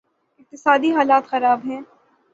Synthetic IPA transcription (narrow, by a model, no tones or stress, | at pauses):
ɪq̚t̪ɪsaːd̪iɦaːlaːt̪xɐɾaːbɦɛ̃ː